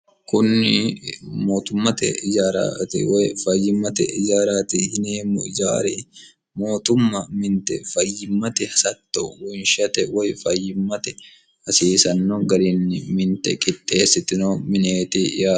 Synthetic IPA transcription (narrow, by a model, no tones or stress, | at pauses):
kʊnːɪmoːt̪ʊmːɐt̪ɛ̰ɪd͡ʒaːɾa̰tɪ̰wjfɐjːɪmːɐt̪ɛ̰ɪd͡ʒaːɾaːt̪ɪhɪnmʊd͡ʒaːɾi | mo̞ːt̪ʊmːɐmɪnt̪ɛ̰fɐjːɪmːɐt̪ɛhɐsɐt̪ːowʊnʃɐt̪ɛwɔjfɐjːɪmːɐt̪ɛ | hɐsiːsɐnːoɡɐɾɪnːɪmɪnt̪ɛkʼɪt̪ʼːe̞ːsɪt̪ːɪnoːmɪneːt̪ɪ̰jaː